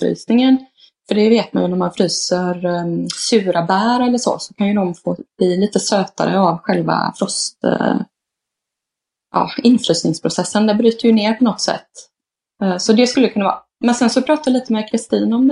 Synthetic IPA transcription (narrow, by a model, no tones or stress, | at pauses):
ɾy̰ːsnɪŋən | fœɖɛveːt̪̚ma̰njɵnæɾmanfɾyːsəɾsʉ̟ːɾʔabæːɾɛlːəʂɔ̰sɔ̥kʰanjɵd̪ɔmfoːb̥liːliːt̪əsøːt̪a̰ɾə̰avɧɛlva̰fɾɔst̪ | jʔɑ̰ːɪnfɾyːsnɪŋspʰɾʊsɛsːənd̪ɛbɾyːt̪əɾjɵneːɾpʰɔnɔt̪sɛ̰t̪ː | sɔd̪ɛskɵlːəkʰɵnavɑ̰ː | mɛnsɛnsɔpʰɾɑːt̪ajaliːt̪əmɛkʰɾɪst̪iːnɔm